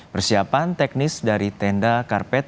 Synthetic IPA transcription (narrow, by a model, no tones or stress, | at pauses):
pərsiapant̪ɛk̚nɪsdaɾit̪ɛndakarpɛt̪̚